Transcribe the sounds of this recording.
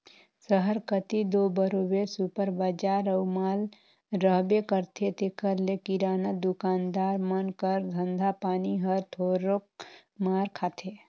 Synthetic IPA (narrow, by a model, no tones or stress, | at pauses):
səɦəɾkət̪id̪oːbəɾobeɾsupəɾbəd͡ʒaːɾəwmaːl | ɾəɦbekəɾt̪ʰet̪ekəɾlekiɾaːnəd̪ʊkaːnd̪aːɾmənkəɾd̪ʱə̃nd̪ʱapaːniɦəɾt̪ʰoːɾok̚maːɾkʰaːt̪ʰe